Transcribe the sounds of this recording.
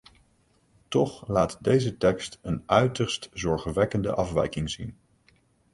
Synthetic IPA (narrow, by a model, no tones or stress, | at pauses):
tɔχlaːtdejzətɛkstənœɥtəɹstzɔɹχʋɛkəndə̰ʔɑfʋɛ̰jkɪŋzin